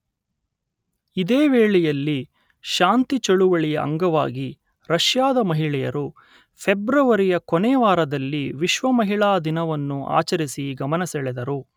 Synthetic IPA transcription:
id̪eːʋeːɭɛjɐlːi | ʃaːnt̪it͡ʃɐɭuʋɐɭijɐɐ̰ŋɡɐʋa̰ːɡi | ɾɐʃjaːd̪ɐmɐɦiɭɛjɐ̰ɾu | pʰebɾɐʋɐɾijɐkɔnɛːʋaːɾɐd̪ɐlːiʋiʃʋɐmɐɦiɭaːd̪inɐʋɐnːuʔa̰ːt͡ʃɐɾisiɡɐmɐnɐsɛɭɛd̪ɐɾu

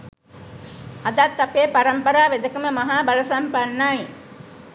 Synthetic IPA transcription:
ad̪at̪ːapeːpaɾɐmpəɾaːʋed̪əkəməmaɦaːbalɐsampanːaj

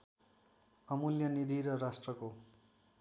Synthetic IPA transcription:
ʌmuljʌnid̪ʱiɾʌrasʈrʌko

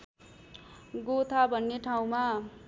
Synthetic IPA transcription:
ɡot̪ʰabʱʌnːeʈʰaw̃ma

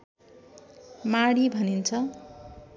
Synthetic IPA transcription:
maɽibʱʌnint͡sʰʌ

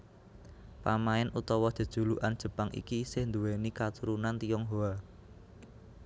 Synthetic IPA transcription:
pamaɪnut̪ɔwɔd̪̥ə̤d̥ʒ̥ṳluʔand̥ʒ̥ə̤paŋʔḭkisɪhnd̪uwenikat̪uɾunant̪iɔŋɦoa

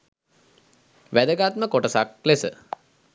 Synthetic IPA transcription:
ʋæd̪əɡat̪̚məkoʈəsak̚lesə̰

